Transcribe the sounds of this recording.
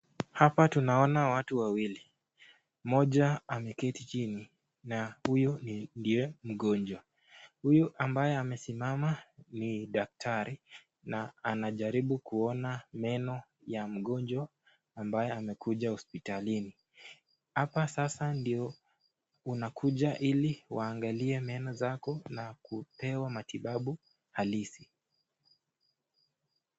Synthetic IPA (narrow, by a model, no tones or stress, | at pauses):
hapatunaɔnawatuwawili | mɔʄaamɛkɛtit͡ʃini | nahujɔnindiɛm̩ɠɔnd͡ʒwa | hujuʔambajɛamɛsimamaniɗak̚tʰaɾi | naanaʄaɾiɓukuɔnamɛnɔ | jam̩ɠɔnd͡ʒwa | ambajɛamɛkʰuʄahɔspitalini | hapasasandiɔ | unakʰuʄaʔiliwaːŋɡaliɛmɛnɔzakɔnakupɛwamatiɓaɓu | halisi